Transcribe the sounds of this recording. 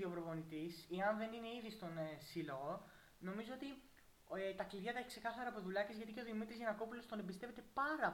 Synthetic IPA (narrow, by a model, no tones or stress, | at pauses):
iovɾovo̞nit̪iseɐnðe̞nine̞iðist̪o̞nsilo̞ɣo̞ | no̞mizoo̞t̪i | et̪ɐkliðʝɐt̪ɐeçikse̞kɐθɐɾɐːpo̞ðulɐcezʝɐt̪ice̞o̞ðimit̪ɾizʝɐnɐko̞pulo̞st̪o̞nebist̪e̞ve̞t̪e̞pɐɾɐ